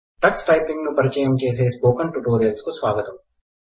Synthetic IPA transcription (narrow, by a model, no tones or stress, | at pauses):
ʈɐksʈɐjpiŋɡnupɐɾit͡ʃɐːjɐmt͡ʃe̞ːs̬eːspoːkɐɳʈuʈoːɾeːlskusʋaːɡɐt̪ɐm